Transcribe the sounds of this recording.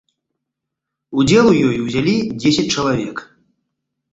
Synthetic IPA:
ud͡zʲɛlˠujɔjuwzʲalʲid͡zʲesʲɐt͡sʲt͡ʂɐlˠavʲɛk

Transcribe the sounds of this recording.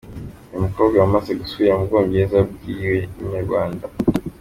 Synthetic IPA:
imukoːbɡaumazeɡusuβiɾamuɡoːmbeːzab̚ɡiːɾeiɲaɾɡwaːnda

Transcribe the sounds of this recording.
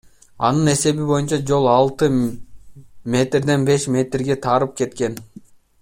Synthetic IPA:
ɑ̰nɯne̞se̞βibo̞junt͡ʃɑd͡ʒo̞lˠɑlˠt̪ɯ | mʲe̞t̪rd̪e̞nbe̞ʃmʲe̞t̪rɡe̞t̪ʰɑɾɯp̚ke̞t̪ke̞n

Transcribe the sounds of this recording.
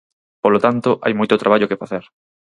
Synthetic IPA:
polot̪ant̪oʔa̰jmojt̪ot̪ɾʔaβaʎokefaθeɾ

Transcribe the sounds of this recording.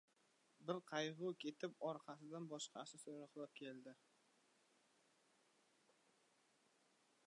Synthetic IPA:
bɪɾqʰɑjʁʊkʲʰe̞t̪ʰɪpɒɾqʰɑsɪd̪anbɒʃqʰɑ̰sɪsoɾɑqlˠap̚kʲʰe̞ld̪ɪ

